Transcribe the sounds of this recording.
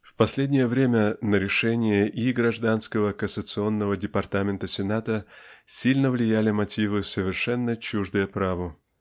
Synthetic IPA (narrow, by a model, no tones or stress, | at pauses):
fpɐsʲlʲedʲnʲɪjəvɾʲemʲənəɾʲɪʂɛnʲɪjəʔiɡɾɐʐd̪anskəvəkəsət̪sɨo̞nːəvədʲɪpɐrt̪amʲɪnt̪əsʲɪnat̪əsʲilʲnəvlʲɪjælʲɪmɐtʲivɨsəvʲɪrʂɛnːət͡ɕuʐd̪əjəpɾavə